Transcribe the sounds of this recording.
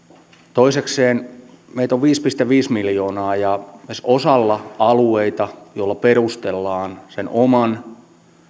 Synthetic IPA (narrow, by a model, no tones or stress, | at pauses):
t̪oisekseːn | meit̪oʋʋiːspist̪eʋiːsmiljoːnɑːjɑesʔosɑlːɑɑlueit̪ɑjoilːɑperust̪elːɑːnsenomɑn